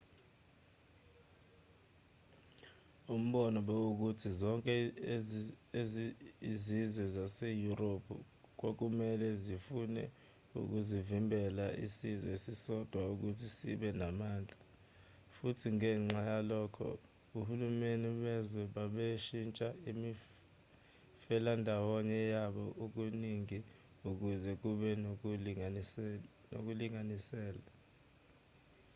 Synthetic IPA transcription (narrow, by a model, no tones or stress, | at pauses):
um̩ɓɔnɔɓɛuk̬utʰizɔŋkʼɛ | eizizwɛzasejuropʰṵ | k̬ok̬umɛlɛzifunɛ̰ | ṵk̬uzivimbʱɛlaʔḭsizɛsisɔd̥ʱwauk̬utʰisḭɓɛnamaːnd͡ɮʱa | futʰiŋɛːŋ͡ǁajalɔkʰɔ̰ | kuhulumeniɓɛzwɛɓaɓeʃint͡ʃʼaimi | fɛlandʱawɔɲɛjaɓɔʔuk̬uniŋi | uk̬uzɛk̬uɓɛ | no̰k̬uliŋanisɛːla